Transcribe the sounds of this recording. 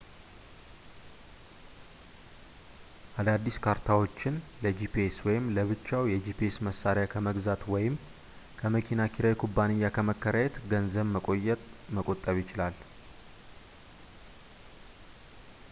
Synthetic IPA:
ʔad̪ad̪ːiskʰaɾt̪ʰawo̞t͡ʃːɪnləd͡ʒipieswɔjɪmləβɨt͡ʃːawjɛd͡ʒipʰiesməsːaɾɪjakʰəməɡzat̪wɔjɪm | kʰəməkʰinakʰiɾajkʰubːanɨjːakʰəməkːəɾajɛt̪ɡənzəβməkʼojɛt̪məkʼo̞t̪ʼːəβjɪt͡ʃɪlal

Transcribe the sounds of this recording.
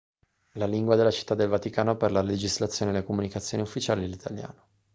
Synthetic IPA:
laliŋɡwad̪elːat͡ʃi̥t̪ːad̪ːelvat̪ikaːnoperlaled͡ʒizlat̪sːjoːnelekomunikat̪sːjoːniufːit͡ʃaːlid̪elit̪ʰalja̰ːno̥

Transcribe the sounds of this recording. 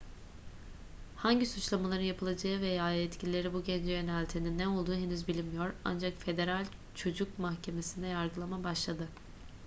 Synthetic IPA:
haɲɟisut͡ʃlˠamalˠaɾɯnjapʰɯlˠad͡ʒaɯvɛjaːjɛt̪cʰilʲilʲe̞ɾibuɟɛnd͡ʒɛjø̞nɛlʲt̪ʰininːɛo̞lˠd̪uːɦenyzbilʲimijo̞ɾa̰nd͡ʒakfe̞d̪e̞ɾalʲ | t͡ʃʰo̞d͡ʒuk̚mahcʰe̞me̞sind̪ɛjaɾɡɯlˠamabaʃlˠad̪ɯ

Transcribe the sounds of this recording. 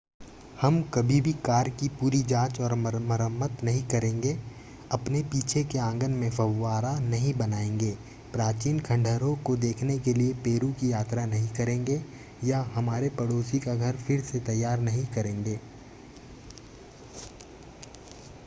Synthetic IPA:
hɐmkɐbʱibʱikaːɾkipuːɾid͡ʒaːt͡ʃɔːɾməɾmɐɾəmːət̪nɐɦĩkɐɾẽːŋɡe | ɐpnepiːt͡ʃʰekeãːŋɡənmẽfɐwːaːɾanɐɦĩbɐnaːẽːŋɡeː | pɾaːt͡ʃiːnkʰɐ̃ɳɖʱəɾõkod̪eːkʰnekeliepeːɾũkijaːt̪ɾanɐɦĩkɐɾẽːŋɡe | jaɦɐmaːɾepɐɽoːsikaɡʱɐɾfɪɾset̪ɐjːaːɾnɐɦĩkɐɾẽːŋɡeː

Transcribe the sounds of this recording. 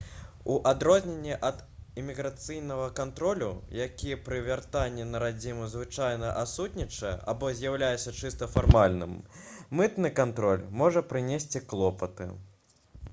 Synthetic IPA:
uʔad̪ɾɔzʲnʲenʲːɛʔɐd̪imʲiɣɾat̪sɨjnɐɣɐkant̪ɾɔlʲṵjakʲijɛpɾɨvʲart̪anʲːɛnɐɾad͡zʲimuzvɨt͡ʂajnɐʔasut̪ʲnʲit͡ʂɐjɛ̰ʔabɔzʲjawlʲajɛt̪sːɐt͡ʂɨst̪ɐfarmalʲnɨ̰mmɨt̪nɨkant̪ɾɔlʲmɔʐɐpɾɨnʲesʲt͡sʲiklˠɔpɐt̪ɨ̰

